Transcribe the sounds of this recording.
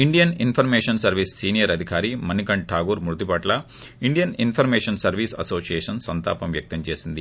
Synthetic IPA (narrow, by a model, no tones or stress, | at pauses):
iɳɖijɐninpʰɐɾmeːʂɐnsɐɾʋiːsːiːnijɐɾɐd̪ʱikaːɾimɐnikɐɳʈʰaːɡuːɾmuɾd̪ipɐʈlɐ | iɳɖijɐninpʰɐɾmɛːʂɐnsɐɾʋiːsɐ̰soːsijɛːʂɐnsɐnt̪a̰ːpɐmʋjɐk̚t̪ɐmt͡ʃe̞ːsind̪i